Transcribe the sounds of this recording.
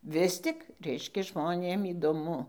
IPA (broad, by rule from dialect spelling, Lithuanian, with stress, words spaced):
ˈʋʲɪs tʲɪk ˈrʲɛɪʃʲkʲɛ ʒmoːˈnʲeːm iːdoːˈmʊ